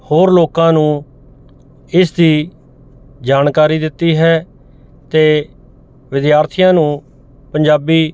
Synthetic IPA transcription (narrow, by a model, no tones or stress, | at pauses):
hoːɾloːkãːnũː | ɪsd̪iː | d͡ʒaːnkaːɾiːd̪ɪt̪ːiːɦɛː | t̪eː | ʋɪd̪jaːɾt̪ʰɪjãːnũː | pəɲd͡ʒaːbiː